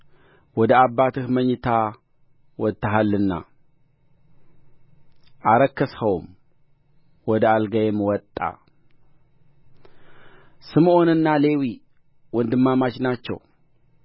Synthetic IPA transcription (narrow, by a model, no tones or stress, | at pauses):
wɔd̪əabːat̪ʰɨhməɲːɨt̪ʰa | wɔt̪ʰːaɦalːɨnːa̰ | ʔaɾəkʰːəshowm | wɔd̪əalɡajemwɔt̪ʼːa̰ | sɨmʔonɨnːale̞wi | wɔnd̪ɨmːamat͡ʃnat͡ʃːɛ̰w